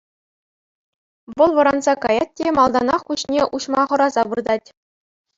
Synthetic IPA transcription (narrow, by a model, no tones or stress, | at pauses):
ʋɤ̆lˠʋɤ̆ɾɑnzɑkɑjɑt̚ʲtʲemɑlˠd̪ɑnɑχkuɕnʲeʔuɕmɑχɤ̆ɾɑzɑbɯrd̪ɑtʲ